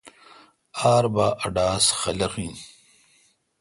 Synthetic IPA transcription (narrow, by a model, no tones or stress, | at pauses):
aːɾbaːʔɐɖaːsxɐlɐxĩːn